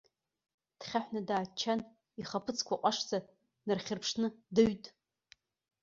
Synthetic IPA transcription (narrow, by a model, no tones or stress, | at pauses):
d̥χʲaħʷnadaːt͡ʃʰːan | iχapʰɨt͡sʰkʷaqʷʼaʂd͡za | nɨrχʲɪrpʰʂnɨdɨɥtʼ